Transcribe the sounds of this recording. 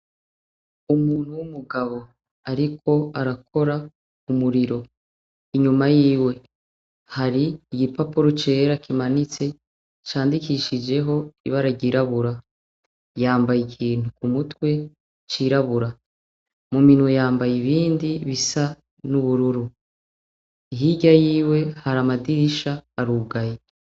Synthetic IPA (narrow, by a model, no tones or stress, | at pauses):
umuːn̥huwumuɡaβo̞ | aɾikʰo̞aɾakʰo̞ɾa | kumuɾiɾo̞ | iɲumajiːwe̞ | haɾiːɡipapuɾot͡ʃe̞ːɾakimanit͡se̞ | t͡ʃaːndikiʃid͡ʒe̞ɦo̞iβaɾaɟiɾaβuɾa | jaːmbajikʰiːntukumutwe̞ | t͡ʃiɾaβuɾa | muminwejaːmbajiβiːndiβisa | nuβuɾuɾu | iɦiɟajiːwe̞haɾamadiɾiʃaːɾuːɡaje